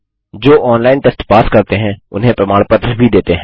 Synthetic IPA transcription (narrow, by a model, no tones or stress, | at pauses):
d͡ʒoːʔɔːnlaːɪnʈesʈpaːskɐɾt̪eɦɛ̃ʊ̰nɦẽpɾɐmaːɽpət̪ɾəbʱid̪eːt̪eɦɛ̃